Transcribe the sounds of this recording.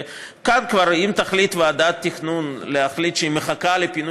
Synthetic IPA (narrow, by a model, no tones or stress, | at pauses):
kankvaɾimt̪aχlit̪vead̪at̪ːiχnunleaχlit̪ʃeimeχakalepinu